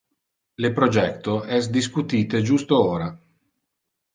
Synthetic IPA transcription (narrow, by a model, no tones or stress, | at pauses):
lepɾod͡ʒɛkt̪oɛsd̪iskut̪iːt̪ed͡ʒust̪ooːɾa